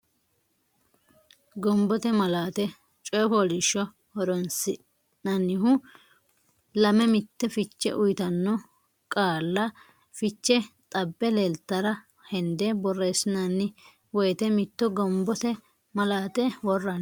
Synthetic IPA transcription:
ɡɔmbɔt̪ɛmɐlaːt̪ɛ | t͡ʃʼɔjfɔlɪʃːɔ | hɔɾɔnsɪ | nɐnːɪhʊ | lɐmɛmɪt̪ːɛfɪt͡ʃːɛ̰ʔʊjt̪ɐnːɔ | kʼaːlːɐ | fɪt͡ʃːɛt̪ʼɐbːɛlelt̪ːɐɾɐ | hɛnd̪ɛbɔrːeːsɪnɐnːɪ | wɔjt̪ɛmɪt̪ːɔɡɔmbɔt̪ɛ | mɐlaːt̪ɛwɔrːɐn

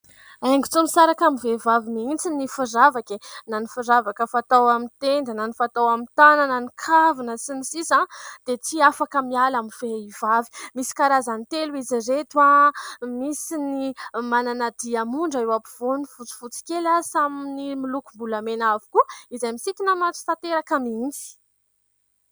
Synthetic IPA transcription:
ajŋɡut͡sumisaɾakamivevaviniint͡sinifuzavakenanifuɾavakəfat̪awamit̪end̪ənanifat̪awamint̪anananikʰavinəsinisisãd̪̥et͡siafakəmialamiv̥eivavi̥misi̥kaɾazant̪eluiziɾet̪uamisinimananad̪̥iamuɳɖ͡ʐaewapiv̥onifut͡si̥fut͡si̥kʲelasaminimilukumbulamenavu̥kuəizajmisit̪inamat͡si̥t̪at̪eɾakamind͡zi̥

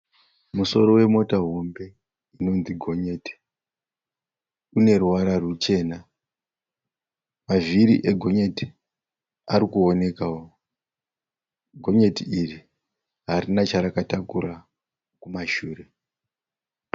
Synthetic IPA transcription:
muso̞ɾo̞we̞mo̞taɦombe̞ | ino̞nziɡʱo̞ɲe̞ːti̥ | une̞ruwaɾarut͡ʃe̞ːna | maviɾḭʔeɡʱo̞ɲe̞ti̥ | aɾikuone̞kawo | ɡʱo̞ɲe̞tiiri | ɦaɾinat͡ʃaɾakatakuɾa | kumaʃuːre

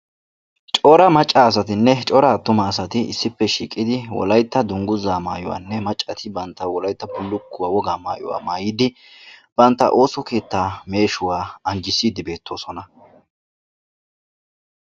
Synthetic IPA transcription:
t͡ʃʼɔɾɐmɐt͡ʃʼːaːs̬ɐt̪ɪnːɛt͡ʃʼɔɾɐt̪ːʊmɐːsɐt̪ɪɪ̰sːɪpːɛʃḭːkʼɪd̪ɪwɔ̰lɐjt̪ːɐd̪ʊŋɡʊzaːmaːjɔ̰wa̰ːnːɛmɐt͡ʃʼːɐt̪ʰɪbɐnt̪ːɐwɔlɐjt̪ːɐpʊlːʊkːʊwaːwɔɡaːma̰ːjɔ̰wa̰ːmaːjɪd̪ɪ | b̥ɐnt̪ːɐ̰ʔo̞ːsɔke̞ːt̪ːaːme̞ːʃʊwaːɐnd͡ʒɪsːiːd̪ɪbe̞ːt̪ːo̞ːsɔnɐ

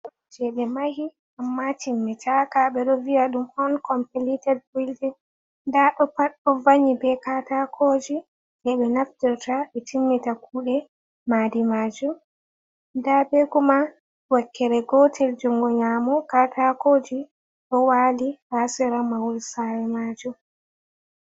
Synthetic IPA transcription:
d͡ʒɛɓɛmahi | ʔamːatimːitʰakaɓɛɗɔviaɗumɔnkɔmpɛlitɛd̚wildɛ | daɗɔpaɗɔvaɲibɛkatakʰod͡ʒi | ʔɛɓɛnaftiɾtaɓɛtimːitakʰuːɗɛ | madimaːd͡ʒum | dabeɡuma | wakːɛɾɛɡɔtʰɛld͡ʒɔŋɡɔɲaːmɔkatakoːd͡ʒi | ɗɔwaːlihasɛɾamawulsaɾɛmaːd͡ʒum

